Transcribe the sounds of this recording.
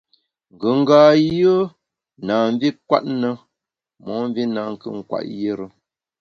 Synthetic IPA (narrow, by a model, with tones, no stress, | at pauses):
ŋ̩˨ɡə˨ŋ̩˦ɡaː˨jə˦ | naː˨ɱ˦vi˦kwa̰˦tnə˦ | mɔ˨˦m˦vi˦na˨ŋ˨kɨ̰˦ŋ̩˨kwa̰˨ʔje˦ɾə˦